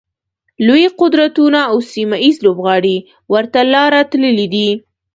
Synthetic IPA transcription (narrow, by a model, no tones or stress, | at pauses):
lojiqʊd̪ɾat̪unaːwsimaizlobɣɑɽi | wəɾt̪alɑɾat̪ləlid̪i